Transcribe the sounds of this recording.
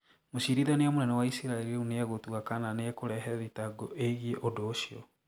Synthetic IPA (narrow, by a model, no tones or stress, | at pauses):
moʃiɾiðaneamonɛnɔwaisiɾaeliuneaɣotuakananeɛkoɾɛɦɛðitaɡɔʔeɣieʔodoːʃiɔ